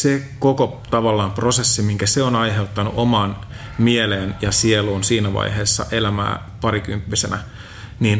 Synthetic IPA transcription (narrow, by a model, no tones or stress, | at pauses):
sekoko | t̪ɑʋɑlːɑːmpro̞se̞sːimiŋkæseonɑjɦe̞ut̪ːɑnṵʔo̞mɑːn | mieleːnjɑsieluːnsiːnæʋɑ̰jɦe̞ːsːɑ̰ʔelæmæ̰ː | pɑɾikympːisenæ | niːn